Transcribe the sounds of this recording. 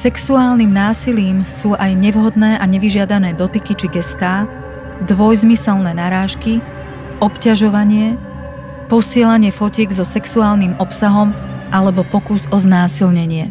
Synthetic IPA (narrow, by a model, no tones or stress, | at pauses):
sɛksuaːlnimnaːsiliːmsuːʔajɲɛʋɦɔd̪nɛːʔaɲɛʋiʒɪad̪anɛːd̪ɔt̪ikit͡ʃiɡɛst̪aː | d̪ʋɔjzmisɛlnɛːnaɾaːʃki | ɔpcaʒɔʋaɲɪɛ | pɔsɪɛlaɲɪɛfɔcɪɛɡzɔsɛksuaːlnimɔpsaɦɔmʔalɛbɔpɔkuzɔznaːsilɲɛɲɪɛ